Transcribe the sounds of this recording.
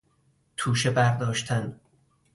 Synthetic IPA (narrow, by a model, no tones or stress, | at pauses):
t̪ʰuːʃebæɾd̪ɒːʃt̪ʰæn